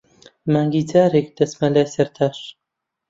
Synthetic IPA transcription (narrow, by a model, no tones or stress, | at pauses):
maːŋɡiːd͡zaːɾek̚d̪̥ɐsmɐlaːjsɐɾt̪ʰaːʃ